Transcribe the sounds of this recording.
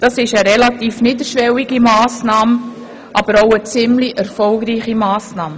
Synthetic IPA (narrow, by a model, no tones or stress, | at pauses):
d̥ɑsɪʃəɾɛlɑt̪iːfniːd̪əɾʃʋɛwiɡ̥imɑːsnɑːm | ʔɑb̥əɾoʊət͡sɪmliʔɛɾfɔlɡɾiːχimɑːsnɑːmə